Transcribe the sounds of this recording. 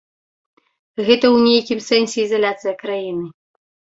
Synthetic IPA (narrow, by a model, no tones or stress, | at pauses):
ɣɛt̪ɐwnʲejakʲimsɛnsʲɛizalʲat̪sɨjɐkɾajinɨ